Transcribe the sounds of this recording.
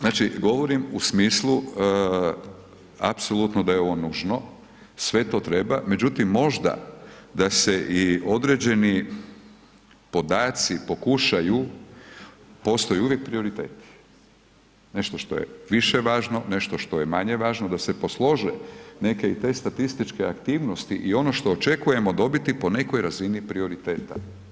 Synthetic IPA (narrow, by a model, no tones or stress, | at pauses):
znaːt͡ʃiɡo̞ʋo̞ɾimusmiːslˠu | apso̞lˠut̪nod̪ajeo̞ʋo̞nuʒno | sʋe̞t̪o̞ːt̪ɾe̞bame̞d͡ʑut̪imːo̞ʒd̪a̰d̪aseʔio̞d̪ɾe̞d͡ʑe̞ni | po̞d̪aːt̪sipo̞kuʃaju | po̞st̪o̞juuʋjek̚pɾio̞ɾit̪e̞ːt̪i̥ | ne̞ʃt̪o̞ʃt̪o̞̰jḛʋiʃeʋaːʒno̞ne̞ʃt̪o̞ʃt̪o̞je̞maɲe̞ʋaːʒnod̪asepo̞slˠo̞ʒene̞ke̞it̪e̞st̪at̪ist̪it͡ʃke̞akt̪iːʋnost̪ḭʔio̞no̞ʃt̪o̞ːt͡ʃe̞kuje̞mo̞d̪o̞bit̪ipo̞ne̞ko̞jɾazinipɾio̞ɾit̪e̞ːt̪a̰